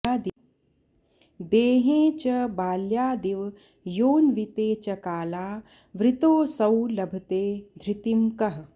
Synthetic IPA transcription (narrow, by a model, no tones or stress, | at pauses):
aːd̪i | d̪eːɦẽːt͡ʃɐbaːljaːd̪iʋ | joːnʋit̪eːt͡ʃɐkaːlaː | ʋɾɪt̪oːsɐwlɐbʱɐt̪eːd̪ʱɾɪt̪imkɐɦ